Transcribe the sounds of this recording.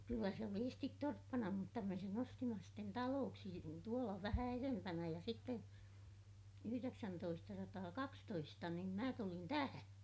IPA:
kylːæ se oli estit torpːɑnɑ mutːɑ me sen ostimɑ sitːen tɑloːksi tuolɑ ʋæhæ erempænæ jɑ sitːe yhyreksæntoistɑsɑtɑːkɑkstoistɑ nim mæ tulin tæhæ

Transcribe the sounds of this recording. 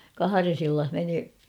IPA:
kɑhɑres ilːɑh meni

